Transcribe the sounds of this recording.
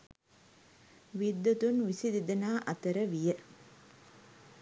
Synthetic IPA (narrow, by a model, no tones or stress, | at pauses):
ʋid̪ːɐt̪unʋisid̪id̪ɐnaːʔɐt̪əɾəʋijə